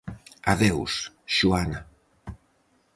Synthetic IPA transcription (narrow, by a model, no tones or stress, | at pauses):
aðews | ʒuana